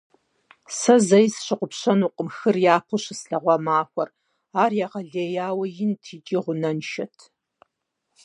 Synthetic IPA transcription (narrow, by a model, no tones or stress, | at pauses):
sɐzɐjsɕɪqʷʊpɕɐnuːqʼəmxɨrjaːpʰʊɕɨsɬɐʁʷɑmaːxʷɔr | aːrjaːʁɐɮeːjaːwɐjɪntʰiːt͡ʃʼiːʁʷʊnɐnʃɐtʰ